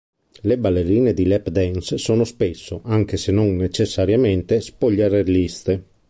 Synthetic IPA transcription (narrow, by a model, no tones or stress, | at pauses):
lebalːeɾiːned̪ilɛpd̪ɛnsːoːnospesːoʔaŋk̟esenonnet͡ʃesːaɾjamɛnt̪espoʎːaɾeɾlist̪e